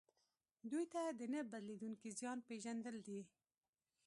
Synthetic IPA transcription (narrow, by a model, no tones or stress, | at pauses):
d̪ujt̪ad̪ənəbad̪led̪uŋkizjɑnpeʒand̪əld̪i